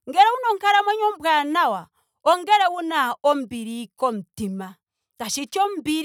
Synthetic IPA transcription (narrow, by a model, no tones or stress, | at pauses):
ŋɡɛɾɛwunɔŋkaɾamwɛɲɔmbwanawa | ɔŋɡɛɾɛwunaɔmbiɾikɔm̩tima | taʃit͡ʃɔmbiɾ